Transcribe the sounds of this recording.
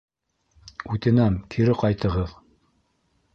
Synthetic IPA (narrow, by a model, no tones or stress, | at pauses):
ʉt̪ɘ̆næmkʰiɾɘqɑjt̪ɤ̆ʁɤð